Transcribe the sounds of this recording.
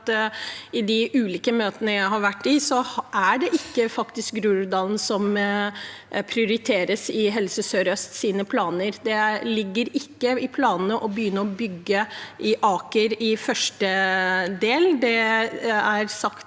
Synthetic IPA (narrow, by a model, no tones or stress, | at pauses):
t̪ɪd̪ɪʔʉːliːkəmøːt̪ənəjæɪɦɑɾʋæʈːɪsɔʔæɖɛʔɪkːəfɑkt̪ɪsk̚ɡɾʉːd̪ɑːln̩sɔm | pʰɾɪʊɾɪt̪ʰeːɾəsɪɦɛlsəsøːɾœst̪siːnəpʰlɑːnəɾd̪ɛlɪɡːəɾɪkːəɪpʰlɑːnnəʔɔbəjʏnːəɾɔbʏɡːəʔɪʔɑːkəɾɪfœʂʈəd̪eːld̪ɛ | æɾsɑkt̪